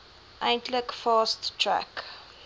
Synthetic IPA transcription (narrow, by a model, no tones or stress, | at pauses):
ʔãntʰlɪkfɑːsttʰɹæ̰k